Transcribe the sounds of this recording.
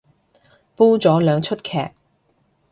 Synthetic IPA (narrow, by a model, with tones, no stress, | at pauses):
puː˥t͡sɔː˨˥lœː˨˧ŋt͡ʃʰɵ˥t̚kʰɛː˨˩k̚